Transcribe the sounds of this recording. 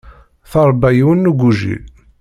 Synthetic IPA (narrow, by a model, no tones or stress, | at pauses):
θɑɾˤbæjiwənːuɡʷuʒḭ